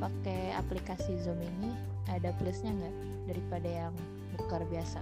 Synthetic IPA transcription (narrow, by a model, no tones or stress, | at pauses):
pakea̰plikasizɔmini | adaplusɲaŋɡaʔ | daɾipadajaŋ | mukərbiasa